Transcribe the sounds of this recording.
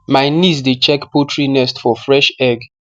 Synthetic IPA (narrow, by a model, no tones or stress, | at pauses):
majnisdet͡ʃɛkpotʰɹinɛstfɔfɹɛʃɛɡ